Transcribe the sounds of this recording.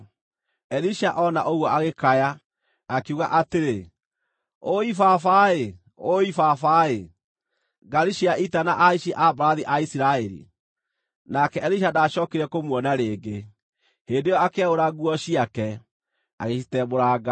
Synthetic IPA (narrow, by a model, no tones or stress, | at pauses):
ɛɾiʃaʔɔnaʔoɣwɔaɣekaja | akuɣaʔateɾe | oifafae | oifafae | ɡaɾiʃiaʔitanaʔaiʃiʔabɾaðiʔaisiɾaɛɾḭ | nakɛɛɾiʃ̬adaʃɔːkeɾɛkomwɔnaɾeːɡe | hendejɔakeaɣoɾaɣuɔɕiakɛ | a̰ɣeʃitɛmoɾaːɡa